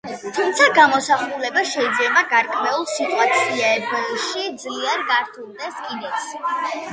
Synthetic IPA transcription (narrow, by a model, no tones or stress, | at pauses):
t̪ʰumt̪sʰaɡamɔsaχulɛbaʃɛid̪zlɛbaɡaɾkʼʰmɛulˠsit̪ʼwat̪sʰiabʃid̪zliɛɾɡaɾt̪ʰulˠd̪ɛskʼid̪ɛt̪s